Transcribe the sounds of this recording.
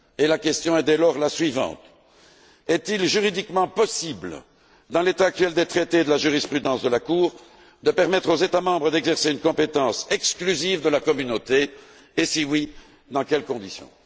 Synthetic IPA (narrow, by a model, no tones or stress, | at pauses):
elakʲɛst̪jɔ̃ɛd̪ɛlɔʁlasɥivɑ̰̃t̪ | ɛt̪ilʒyʁid̪ikmɑ̃pɔsibl | d̪ɑ̃let̪aːk̚t̪ɥɛld̪et̪χet̪ed̪əlaʒyʁispχyd̪ɑ̃sd̪əlakuːʁ | d̪əpɛʁmɛt̪χozet̪amɑ̃bʁəd̪ɛɡzɛʁseynkɔ̃pet̪ɑ̃sɛksklyzivd̪əlakɔmynot̪eː | siwi | d̪ɑ̃kɛlkɔ̃d̪isjɔ̰̃